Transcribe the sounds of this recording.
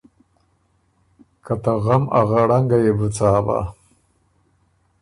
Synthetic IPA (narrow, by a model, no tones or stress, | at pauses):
kat̪aɣamaɣaɽaŋɡajebət͡saːba̰